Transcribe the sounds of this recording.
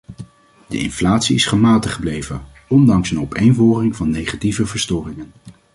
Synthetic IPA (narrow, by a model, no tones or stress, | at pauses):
də̰ɪ̰nflaːtsiɪsχəmaːtəχəblejvən | ɔndɑŋsənɔpejnvɔːrɪŋvɑnːejχativəvəɹstɔːrɪŋən